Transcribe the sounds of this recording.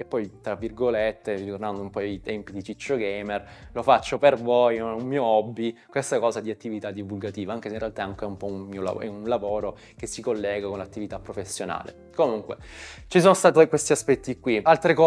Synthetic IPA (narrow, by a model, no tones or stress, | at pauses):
epːɔjt̪ɾavːirɡolet̪ːeriɾit̪ornand̪oumpɔjt̪ɛmpid̪it͡ʃit͡ʃːoɡɛjmerlofat͡ʃːopervojunmiːoɔbːikwest̪akɔːzad̪iat̪ːivit̪ad̪ːivulɡat̪iːvaaŋk̟es̬einrealt̪aaŋkeɛumpɔunmiːola̰ɛunlavoːɾo | kesːikolːɛːɡakonlat̪ːivit̪apːɾofesːjona̰ːlḛ | komuŋkwet͡ʃis̬oːnost̪at̪kwest̪iaspɛt̪ːikːwialt̪ɾekɔ